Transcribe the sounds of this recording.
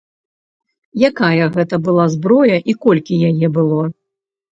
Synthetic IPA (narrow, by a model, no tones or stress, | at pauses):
jakajɐɣɛt̪ɐbɨlˠazbɾɔjɐʔikɔlʲkʲijajɛbɨlˠɔ